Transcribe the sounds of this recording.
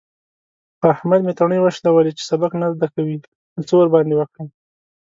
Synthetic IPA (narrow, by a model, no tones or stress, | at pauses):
xahmad̪met̪aɳəjwaʃt̪awəlet͡ʃe̥sabaknazd̪akawi | ət͡sowaɾbɑnd̪ewakɽə